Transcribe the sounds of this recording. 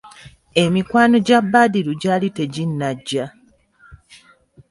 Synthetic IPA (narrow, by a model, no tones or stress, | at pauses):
e̞mikwaːno̞ɟabːaːdiɾuɟaːlite̞ɟinːaɟːa